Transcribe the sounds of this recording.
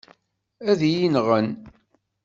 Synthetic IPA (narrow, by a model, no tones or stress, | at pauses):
æðjinʁən